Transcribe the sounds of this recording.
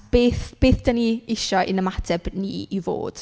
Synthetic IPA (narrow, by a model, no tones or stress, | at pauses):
b̥eːθb̥eːθd̥əniɪʃɔʔɪ̰nəmatʰɛbniːivo̰ːd̥